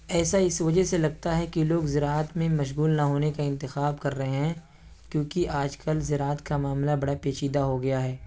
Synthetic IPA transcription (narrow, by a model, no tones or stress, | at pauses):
ɛːsaɪsʋɐd͡ʒəɦselɐɡ̚t̪aɦɛkiloːɡzɪɾaːət̪mẽmɐʃ̬ɣuːlnaɦoːnekaɪ̃nt̪ɪxaːbkɐɾːɐɦeɦɛ̃ | kjõːkiʔaːd͡ʒkɐlzɪɾaːət̪kamaːmlabɐɽapeːʃiːd̪aɦoɡɐjaɦɛː